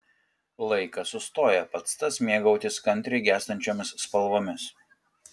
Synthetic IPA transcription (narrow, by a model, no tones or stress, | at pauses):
lˠɐɪkɐsʊst̪oːjɛpɐt̪st̪ɐsmʲeɛɡɐʊt̪ʲɪskɐnʲt̪ʲɾʲɪɡʲæːst̪ɐnʲt͡ʃʲoːmʲɪsːpɐlˠʋoːmʲɪs